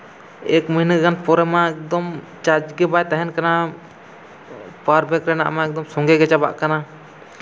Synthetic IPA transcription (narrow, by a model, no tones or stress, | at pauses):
ɛkməɦinəɡanpɔɾɛmaɛk̚d̪ɔm | t͡ʃad͡ʒɡɛbajt̪aɦɛnkana | paɾbʱɛkɾɛna̰ʔmaɛk̚d̪ɔmsɔŋɡɛɡɛt͡ʃaba̰ʔkana